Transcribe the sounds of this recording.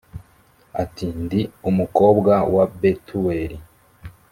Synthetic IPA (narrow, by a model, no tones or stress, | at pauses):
atindiumuko̞ːbɡawabetʰuweɾi